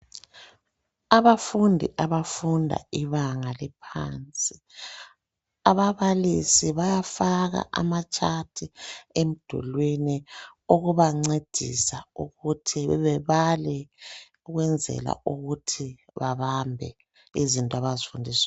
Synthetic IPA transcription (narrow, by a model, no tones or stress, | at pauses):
aβafundʱiʔaβafundʱa̰iβaŋalɛpʰa̰nt͡sʼi | aβaβalisiβajafaɣa̰ʔa̰mat͡ʃʼatʰiem̩d̥ʱṵlwiniuɣuβaŋ͡ǀed̥ʱḭsauɣutʰiβɛβalɛ | uɣwɛnd͡zʱɛ̰la̰uɣutʰi | βaβambʱɛ̰ | izintʼɔaβazifundʱiːs